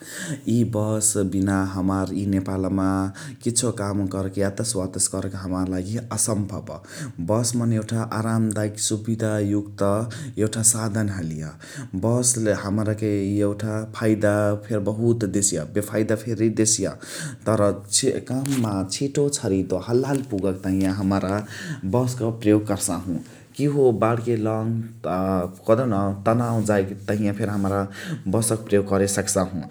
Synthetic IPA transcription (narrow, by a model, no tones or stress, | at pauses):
jibʌsbinaɦʌmaɾjinepalmakit̪ːt͡sʰokamɡʌɾekjat̪ʌswad̪ʌsɡʌɾekʌɦʌmaɾlaɡiʌsʌmbʱʌb | bʌsmʌnewʈʰaʔaɾamd̪ajksubid̪ʱajukt̪ʌewʈʰasad̪ʱʌnɦalijʌ | bʌslehʌmɾʌkeewʈʰapʰajd̪apʰeɾbʌɦut̪d̪esijabepʰajd̪apʰeɾid̪esija̰ | t̪ʌɾʌkamːat͡ʃʰiʈot͡sʰʌɾid̪ohəlːalpuɡʌkt̪ʌɦĩjãɦəmɾabʌskʌpɾəjoɡ̚kʌɾsaɦũ | kiɦobaɽkelʌŋ | kʌd̪onʌt̪ʌnaw̃d͡ʒajkt̪ʌɦĩjãpʰeɾɦəmɾabʌsʌkpɾəjoɡ̚kʌɾesʌksãɦũ